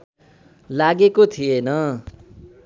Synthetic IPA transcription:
laɡekot̪ʰienʌ

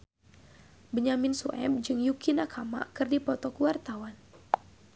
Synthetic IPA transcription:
bəɲaminsuʔɛ̰b̚d͡ʒɨŋjukinakʰama̰kɨrdipɔt̪ɔkuwart̪awan

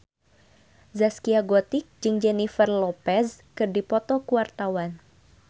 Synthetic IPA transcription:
zaskiaɡɔt̪ik̚d͡ʒɨŋd͡ʒɛnifərlɔpɛskɨrdipɔt̪ɔkuwart̪awan

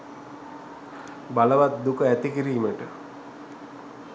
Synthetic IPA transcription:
baləʋat̪̚d̪ukəæt̪ikiɾiːməʈə

